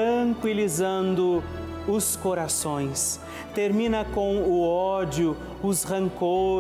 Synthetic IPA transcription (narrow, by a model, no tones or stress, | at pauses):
ɐ̃ŋkwilizɐ̃nd̪ʊ | ʊskoɾasõj̃s | t̪eɾmĩnɐkõw̃ʊɔd͡ʒʊ | ʊsʁɐ̃ŋko